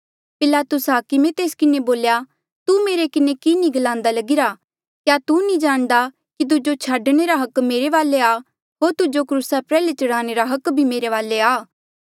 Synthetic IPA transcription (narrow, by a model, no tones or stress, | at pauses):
pɪlaːt̪ʊsɦaːkimɛ̃t̪eːskɪneboːlja | t̪umeːɾekɪnekinĩɡɐlãːnd̪alɐɡɪɾa | kjat̪unĩd͡ʒaːɽ̃d̪a | kit̪̬ʊd͡ʒot͡ʃʰaːɖɽ̃eɾaɦɐkmeːɾeʋaːleaː | ɦoːɾt̪ʊd͡ʒokɾuːsapɾɛːlet͡ʃɐɽaːñeɾaɦɐkbʱimeːɾeʋaːleaː